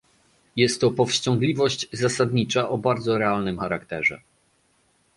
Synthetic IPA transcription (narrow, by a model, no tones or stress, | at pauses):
jɛst̪ːɔpɔfɕt͡ɕɔ̃ŋɡlʲivɔɕt͡ɕzasad̪ɲit͡ʂaʔɔbaɾd̪zɔɾɛalnɘmxaɾakt̪ɛʐɛ̰